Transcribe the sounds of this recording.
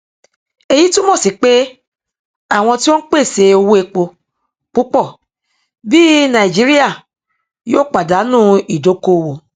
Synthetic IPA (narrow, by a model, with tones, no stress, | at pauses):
e˧ji˦tũ˦mõ˦˨si˨˦k͡pe˦ | a˦˨w̃ɔ̃˧ti˦wɔ̃˦k͡pe˦˨se˧o˧wo˦e˧k͡po˧ | k͡pu˦k͡pɔ˦˨ | bi˦nã˨i˨d͡ʒi˨˦ɾi˦a˦˨ | joː˦˨k͡pa˨da˨˦nũː˦i˨do˨˦ko˦˨wo˧